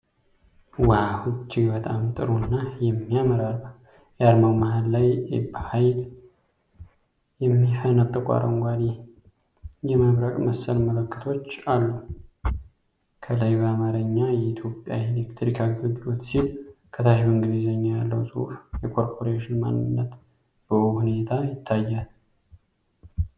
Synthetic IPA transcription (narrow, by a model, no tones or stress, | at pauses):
wahut͡ʃːiɡbət̪ʼamt̪ʼɨɾunːajɛmːiaməɾal | jɛad̪mawmaɦallajḛbhajl | jɛmːifənat̪ʼːəkʷʼa̰ɾʔə̰ŋɡʷad̪i | jɛmaβɾəkʼməsːəlmələkʰːɨ̥t̪ʰo̞t͡ʃːalːu | kʰəlajbəamaɾəɲːajɛit̪ʰjo̞pʼja̰ilekt̪ʰɾikʰaɡɨɨd̪ot̪silkʰət̪ʰaʃiwnɡɨd̪izəɲːajalːə̰wsʼɨṵfjɛkʰo̞ɾpʰoɾeʃɪnma̰nːɨnːət̪ | b̥əʔuhune̞t̪ʰajɪt̪ʰːajːal